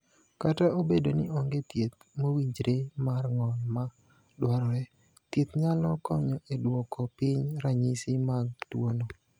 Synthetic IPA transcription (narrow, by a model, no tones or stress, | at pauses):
kataobedonɪɔŋɡet̪jet̪̚mowiɲd͡ʒɾemarŋɔnma | dwaɾɔɾɛ | t̪jet̪ɲalɔkɔɲɔʔedwɔkɔpɪɲɾaɲisɪmaɡ̚twono